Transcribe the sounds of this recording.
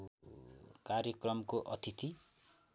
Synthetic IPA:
kaɾjʌkrʌmkoʔʌt̪ʰit̪i

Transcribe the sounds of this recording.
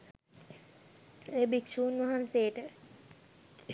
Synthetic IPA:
eːbikʃuːnʋaɦansejʈə

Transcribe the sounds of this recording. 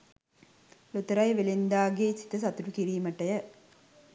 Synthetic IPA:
lut̪ɐɾɐjɐʋelind̪aːɡeːsi̥t̪ɐs̬ɐt̪ɾukiɾiːmɐʈːɐjɐ

